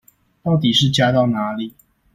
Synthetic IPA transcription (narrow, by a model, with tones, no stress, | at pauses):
t̪ɑ˥˩ʊt̪i˨˩ʂɻ̩˥˨t͡ɕja˦t̪ɑ˥˨ʊna˧˥˦li˨˩˦